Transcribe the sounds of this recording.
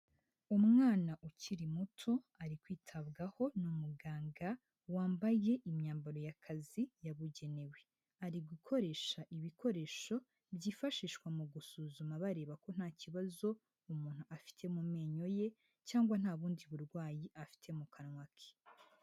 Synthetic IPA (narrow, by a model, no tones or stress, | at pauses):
umŋaːnaʔuciɾimutʰo̞ | aɾikwiːtʰaβɡaho̞numuɡaːŋɡa | waːmbaje̞ʔimɲaːmbaɾo̞jakʰazijaβuɟe̞ne̞we | aɾiɡukʰo̞ɾe̞ːʃaʔiβikʰo̞ɾe̞ːʃo̞ | bjiːfaʃiːʃkwamuɡusuːzumaβaɾe̞ːβako̞n̥haːciβazo̞ | umuːn̥huafi̥tʰe̞mume̞ːɲo̞je̞ | caːŋɡwan̥aːβuːndiβuɾɡwaːjiʔafi̥tʰe̞mukʰanwakʰe̥